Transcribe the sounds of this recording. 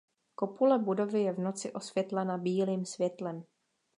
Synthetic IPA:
ko̞pulɛbudo̞vɪjɛvno̞t͡sɪʔo̞svjɛt̪lɛnabiːliːmsvjɛt̪lɛm

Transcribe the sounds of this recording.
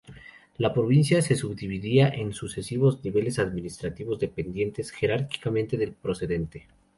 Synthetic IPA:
lapɾo̞βinsjase̞suβd̪iβiðiaʔe̞nsuse̞siβo̞zniβe̞le̞saðminist̪ɾat̪iβo̞zðe̞pe̞nd̪je̞nt̪e̞sxe̞ɾaɾki̥kamẽ̞nt̪e̞ðe̞lpɾo̞se̞ðe̞nt̪e̞

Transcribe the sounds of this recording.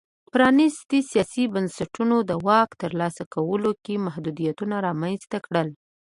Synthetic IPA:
pɾɑnist̪isijɑsibənsaʈunod̪əwɑkt̪əɾlɑsakawəlokemahd̪ud̪ijat̪unaɾɑmanz̥t̪akɽəl

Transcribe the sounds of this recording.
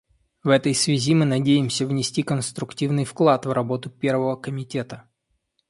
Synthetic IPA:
vɛt̪əjsvʲɪzʲimɨnɐdʲejɪmsʲəvnʲɪsʲtʲikənst̪ɾʊktʲivnɨjfklˠat̪vrɐbo̞t̪ʊpʲe̞rvəvəkəmʲɪtʲe̞t̪ə

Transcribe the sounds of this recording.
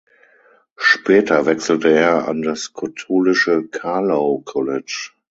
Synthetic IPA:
ʃpɛːtʰɐvɛksl̩təeːɐa̰ndaskʰatʰoːlɪʃəkʰaloʊkʰɔlɛt͡ʃ

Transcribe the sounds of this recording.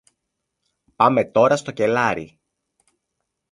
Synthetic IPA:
pɐme̞t̪o̞ɾɐst̪o̞ce̞lɐɾḭ

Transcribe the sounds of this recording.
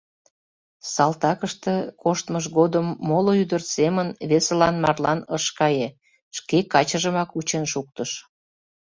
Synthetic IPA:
sɑlt̪ɑkəʃt̪ĕkoʃt̪məʃɣod̪əmːoloyd̪ərt̪semənβeselɑnmɑ̰rlɑnəʃkɑje | ʃkekɑt͡ɕəʒəmɑkut͡ɕenʃuk̚t̪əʃ

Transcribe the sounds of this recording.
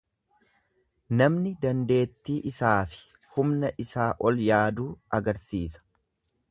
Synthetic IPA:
nɐmnɪd̪ɐnd̪e̞ːt̪ːiːʔɪsaːfɪ̥ | hʊmnɐʔɪsaːʔɔljaːd̪uːɐɡɐɾsiːsɐ̥

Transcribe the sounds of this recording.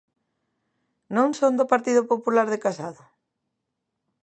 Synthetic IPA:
nõŋsõnd̪ʊpaɾt̪iðʊpopulaɾðɪkasaðʊ

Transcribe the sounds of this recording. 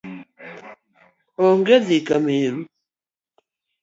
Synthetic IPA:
ɔŋɡɛzikamelu

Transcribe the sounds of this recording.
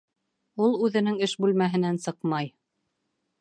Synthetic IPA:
ulˠʉðɘ̆nɘŋɘʃbʉlmæɦɘ̆nænsɤqmɑj

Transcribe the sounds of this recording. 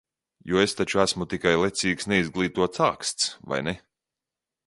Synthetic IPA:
juɔest̪at͡ʃuæsmut̪ikajlˠɛt̪siːksnɛizɡlˠiːt̪uɔt̪saːkst̪sva̰jnɛ

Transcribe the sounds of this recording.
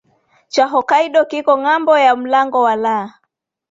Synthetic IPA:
t͡ʃaɦɔkaiɗɔkikɔŋambɔjam̩laŋɡɔwalaː

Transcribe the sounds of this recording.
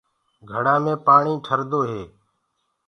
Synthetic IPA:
ɡʱəɽãːmẽːpaːɳĩːʈʰəɾd̪oːɦeː

